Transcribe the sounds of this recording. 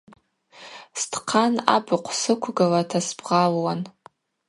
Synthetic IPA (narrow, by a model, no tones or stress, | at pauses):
stʰqʰana̰bɨqʷʰsɨkʷʰɡalatʰasbʁalwan